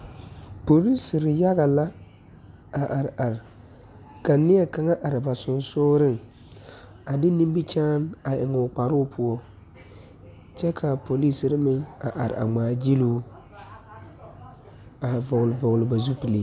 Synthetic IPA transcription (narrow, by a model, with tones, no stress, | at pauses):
po˨li˦sɾɪ˨ja˦ɣa˨la˦ | a˨ʔa˨ɾa˨ɾ | ka˨nːɪ˦ɛ˦˨ka˨ŋa˦ʔa˨ɾɪ˨ba˨sʊ˨nsʊː˦ɾɪ˦˨ŋ | a˨dɪ˦ni˦mbi˦t͡ʃaː˦na˨ʔɪ˨ŋʊ˨k͡pa˨ɾʊ˦pʰʊ˦ɔ˦ | t͡ʃɛ˦kʰa˨pʰo˨li˦sɪ˨ɾɪ˦mɪ˦ŋa˨ʔa̰˨ɾ̰a̰˨ŋ͡maː˨d͡ʒi˦luː˦ | a˨vɔ˨ɣlvɔ˨ɣlɪ˨ba˨zu˦pɪ˨le˨